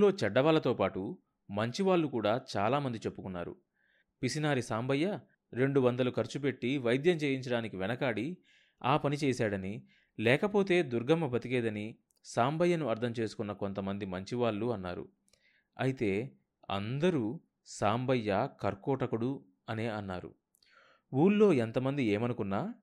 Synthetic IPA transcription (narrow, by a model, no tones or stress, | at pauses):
lo̞ːt͡ʃɐɖːɐʋaːlɐt̪oːpaːʈu | mɐɲt͡ʃiʋaːɭːukuːɽaːt͡ʃaːlaːmɐnd̪it͡ʃe̞pːukunːa̰ːɾṵ | pisinaːɾisaːmbɐjːɐ | ɾe̞ɳɖuʋɐnd̪ɐlukɐɾt͡ʃup̬e̞ʈːiʋɐjd̪jɐmt͡ʃeːjiɲt͡ʃɐɽaːnikiʋɛnɐkaːɽi | aːpɐnit͡ʃɛːsaːɽɐni | lɛːkɐpo̞ːt̪e̞ːd̪uɾɡʱɐmːɐbɐt̪ikɛːd̪ɐni | saːmbʱɐjːɐnuɐɾt̪ʰɐmt͡ʃe̞ːsu̥kunːɐko̞nt̪ɐmɐnd̪imɐɲt͡ʃiʋaːɭːuɐnːa̰ːɾṵ | ɐjit̪e̞ː | ɐ̰nd̪ɐɾu | saːmbɐjːɐkɐɾkɔːʈɐkuɽu | ɐneːɐnːaːɾṵ | uːlːo̞ːent̪ɐmɐnd̪ieːmɐnukunːaː